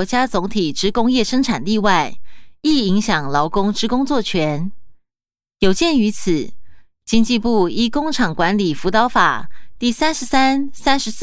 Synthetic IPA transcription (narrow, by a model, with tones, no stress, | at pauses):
t͡ɕja˥t͡sʊ˧˥ŋt̪ʰi˨˩ʈ͡ʂɻ̩˥kʊ˥ŋjɛ˥˩ʂɤ˥ŋʈ͡ʂʰa˨˩nt̪i˥˧wa˥˩ɪi˥˩i˧˥ŋɕjɑ˨˩ŋlɑ˧˥ʊkʊ˥ŋʈ͡ʂɻ̩˥kʊ˥ŋt͡swɔ˥˩t͡ɕʰɥɛ˧˥n | jo˨˩ʊt͡ɕjɛ˥˩ny˧˥t͡sʰɹ̩˨˩˦ | t͡ɕi˥ŋt͡ɕi˥˧pu˥˩i˥kʊ˥ŋʈ͡ʂʰɑ˨˩ŋkwa˧˥nli˨˩fu˧˥t̪ɑ˧˥ʊfa̰˨˩t̪i˥˩sa˥nʂɻ̩˧˥sa˥nsa˥nʂɻ̩˧˥s